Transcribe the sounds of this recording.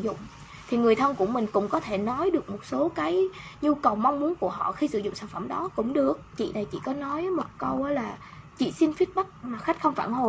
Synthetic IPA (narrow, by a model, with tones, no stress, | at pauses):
zʊ̰˧˨ŋ͡m | t̪ʰi˨˩ŋɨ˨˩əjt̪ʰə˧nku˧˩əmï˨˩ŋ̟kʊ̰˧˥ŋ͡mkɔ˨˦t̪ʰe˧˩nɔ˨˦jɗɨ˨˩ək̚mo˨˩t̚so˨˦kaː˨˦jɲu˧kə˨˩wma˧wŋ͡mmu˨˦nku˧˩əɦɔ̰˧˨xi˧sɨ̰˧˥zʊ̰˧˨ŋ͡msaː˧˩nfə˧˩mɗɔ˨˦kʊ̰˧˥ŋ͡mɗɨ˨˩ək̚t͡ɕḭ˧˨na˨˩jt͡ɕḭ˧˨kɔ˨˦nɔ˨˦jə˨˦mo˨˩t̚kə˧wəː˨˦laː˨˩ | t͡ɕḭ˧˨si˧nfi˦˥t̚ɓə˦˥k̚maː˨˩xa˦˥jk̟̚xə˧wŋ͡mfaː˧˩nho˨˩˨